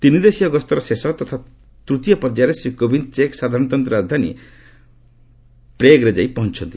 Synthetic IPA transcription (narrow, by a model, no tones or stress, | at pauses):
t̪inid̪esiɔɡɔst̪ɔɾɔsesɔt̪ɔt̪ʰa | t̪ɾut̪ijɔpɔɾd͡ʒaɾesɾikobint͡ʃeksad̪ʱaɾɔnɔt̪ɔnt̪ɾɔɾad͡ʒd̪ʱanḭ | pɾeɡɾed͡ʒajpɔɦɔnt͡ʃʰɔnt̪i